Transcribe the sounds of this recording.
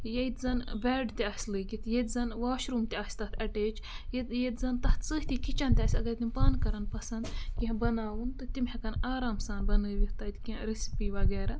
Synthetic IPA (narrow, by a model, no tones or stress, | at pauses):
jeit̪zɐnbɛːɖt̪iɐːsʲlɨːɡit̪ʰjet̪ʲzɐnʋaːʃɾumt̪ʲiaːsʲt̪ɐht̪ʰɐʈeːt͡ʃ | jet̪jet̪zɐnt̪ɐt̪t͡sɨːht̪ikit͡ʃɐnt̪ʲaːsʲɐɡɐɾt̪impaːnkɐɾɐnpɐsɐnd̪kʲĩbɐnaːʋɨnt̪ɨt̪imhɐkɐnaːɾaːmsaːnbɐnɨːʋiht̪ɐːt̪ʲkĩɾisipiːʋɐɡɛːɾɐ